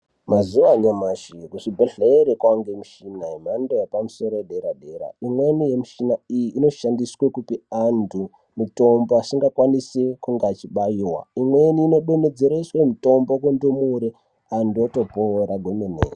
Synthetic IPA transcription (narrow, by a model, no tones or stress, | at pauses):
mazuʋaɲamaʃikuʂibʱeɬeːɾekwaŋɡemiʃinaem̤andojepamuso̞ɾojeɗe̞ɾaɗe̞ɾa̰imwe̞nije̞miʃinaijiʔːno̞ʃandiswekupiandu | muto̞mboasiŋɡakwanisekuŋɡat͡ʃiɓajiwa̰imwe̞niːno̞ɓened͡zeɾaiswemito̞mbok̬wendomuɾe | anduoto̞poɾaɡʱomenḛ